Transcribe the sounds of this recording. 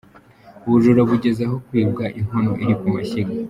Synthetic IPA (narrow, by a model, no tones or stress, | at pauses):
uβuʒuɾo̞βuɟe̞zaɦo̞kwiːbɡaʔiŋhonoʔiɾikumaçiɡa